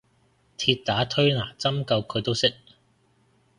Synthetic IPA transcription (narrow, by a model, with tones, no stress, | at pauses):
t̪ʰiː˧t̚t̪aː˨˥t̪ʰɵ˥ɥnaː˨˩t͡sɐ˥mkɐ˧wkʰɵ˨˧ɥt̪o˥wsɪ˥k̚